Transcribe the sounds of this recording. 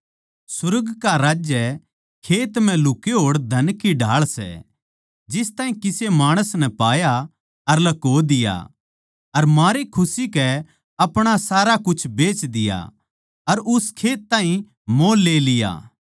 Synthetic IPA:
sʊɾəɡkaɾaːd͡ʒjɛ | kʰeːt̪m̤ɛ̃lʊkeɦoːɽd̪ʱɐnkiɖʱaːɭsɛ̰ | d͡ʒɪst̪aːɦĩkɪsemaːɽ̃əsnɛpaːja | ɐɾlɐkoːd̪ɪja̰ | ɐɾmaːɾekʰʊsikɛ | ɐpɽ̃asaːɾakʊt͡ʃʰbeːt͡ʃd̪ɪja̰ | ɐɾʊskʰeːt̪̚ːãːɦĩ | mõːlːeːlɪja̰ː

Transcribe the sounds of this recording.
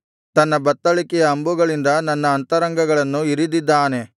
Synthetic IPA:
t̪ɐnːɐbɐt̪ːɐɭikɛjɐːmbuɡɐɭind̪ɐnɐnːɐːnt̪ɐɾɐŋɡɐɡɐɭɐnːuiɾid̪id̪ːaːne̞

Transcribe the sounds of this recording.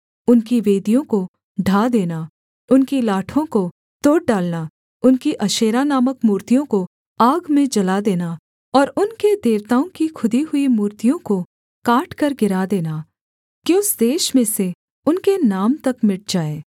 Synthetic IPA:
ʊnkiʋeːd̪ijõko | ɖʱaːd̪eːna | ʊnkilaːʈʰõko | t̪oːʈ̚ɖaːlna | ʊnkiʔɐʃeːɾanaːməkmuːɾt̪ijõko | aːɡmẽd͡ʒɐlad̪eːna | ɔːɾʊnked̪eːʋt̪aːõkikʰʊd̪iɦʊimuːɾt̪ijõko | kaːʈʰkɐɾɡɪɾad̪eːna | kõsd̪eːʃmẽse | ʊnkenaːmt̪ɐkmɪʈ̚d͡ʒaːeː

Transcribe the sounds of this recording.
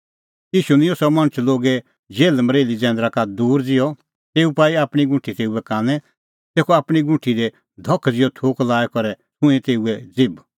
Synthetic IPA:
iːʃunɪ̃ĩosɔmɐ̃ñət͡ʃloːɡɛ | d͡ʒeːlmɐɾeːlid͡zɛ̃ːnd̪ɾakad̪uːɾd͡zɪjɔ | t̪eːupaːiaːpɽ̃iɡʊ̃ʈʰːit̪eːuɛkãːnɛ̃ | t̪eːkʰoaːpɽ̃iɡʊ̃ʈʰiɾɛ | d̪ʱɔkʰːd͡zɪjɔt̪ʰoːklaːɛkɔɾɛsʊ̃ɛ̃t̪eːuɛd͡zɪb

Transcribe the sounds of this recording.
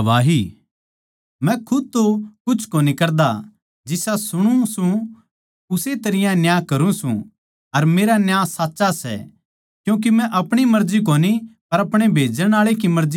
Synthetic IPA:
ʋaːɦiː | mɛ̃kʰʊd̪̚t̪okʊt͡ʃʰkoːnikɐɾd̪a | d͡ʒɪsasʊɽ̃ũsũ | ʊset̪ɐɾɪjãnjaːkɐɾũsṵ̃ | ɐɾmeːɾanjaːsaːtːʃasɛ̰ | kjũːk̬imɛ̃ʔɐpɽ̃imɐɾd͡ʒik̬oːnipɐɾɐpɽ̃ebʱeːd͡ʒəɽ̃aːɭek̬imɐɾzi

